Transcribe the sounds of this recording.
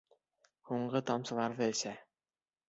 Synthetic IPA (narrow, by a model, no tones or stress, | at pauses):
huɴɢɤt̪ɑmsɤ̆lˠɑɾðɤesæ